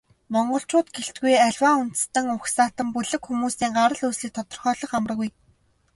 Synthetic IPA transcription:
mɔɴɢɞ̆ɬt͡ɕʊːt̪ɡeɬt̪̚ɡujæɮʲwaːun̥t̪̆st̪ə̆ŋʊxsaːt̪ə̆mpuɮɘ̆kxumuːsiːŋɢaɾə̆ɮuːsɮiːk̚t̪ʰɔt̪ɞ̆rχœːɮɞ̆χamr̆ɣuj

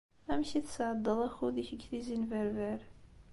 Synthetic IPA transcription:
æmçiθsʕəd̪ˤːəðˤæxuðiçəɡθizinvæɾvæɾ

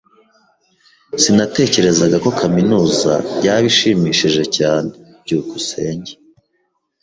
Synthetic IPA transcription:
sinate̞ːce̞ɾe̞zaɡako̞kaminuːza̰jaːβiʃiːmiːʃiʒe̞caːnebɟuːkuse̞ːɲɟe

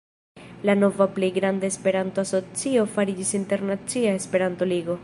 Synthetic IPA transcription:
lano̞vaplejɡɾandaespe̞ɾantoaso̞t͡sio̞faɾid͡ʒisinte̞ɾnat͡siae̞spe̞ɾanto̞liɡo̞

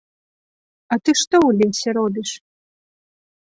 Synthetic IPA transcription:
ɐt̪ɨʂt̪ɔwlʲiwʲsʲɛɾɔbʲiʂ

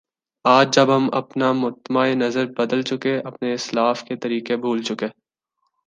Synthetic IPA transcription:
aːd͡ʒd͡ʒɐbɦɐmɐ̰pnamʊt̪əmaenɐzəɾbɐd̪əlt͡ʃʊkeɐpneɪslaːfket̪ɐɾiːkebʱuːlt͡ʃʊkeː

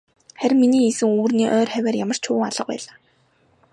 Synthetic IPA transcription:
χæɾ̆ʲmːiniːisɘ̆ŋuːrniːʔœːrχæwʲæːrjamə̆r̥t͡ɕʰʊːaɮə̆q̚pæ̰ːɮaː

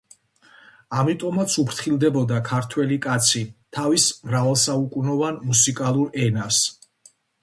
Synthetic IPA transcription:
amit̪ʼɔmat̪sʰupɾt̪ʰχilˠd̪ɛbɔd̪akʰaɾt̪ʰwɛlikʼat̪sʰit̪ʰavismɾavɛlˠsaukʼunɔvanmusikʼalˠuɾɛnas

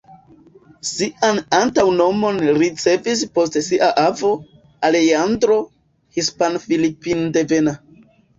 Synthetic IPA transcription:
siʔanantawno̞mo̞nɾit͡se̞vis̬po̞stsiʔaʔavo̞ | aleandɾo̞ | hispanfilipinde̞ve̞na

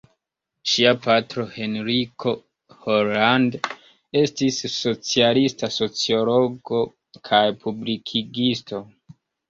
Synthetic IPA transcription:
ʃiapatɾo̞he̞nɾikʰo̞ | hoɾland | e̞stisːo̞t͡sialistaso̞t͡sio̞lo̞ɡo̞ | kʰajpʰublikʰiɡisto̞

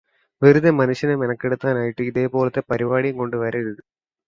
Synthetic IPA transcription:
ʋeɾuðɐmɐnuʂjɐnemenɐkːeɽɯt̪ːaːnaːjiʈːɨiðe̞ːpo̞ːlɐt̪ːepɐɾibaːɽijŋko̞ɳɖɨʋɐɾɐɻɐðɨ

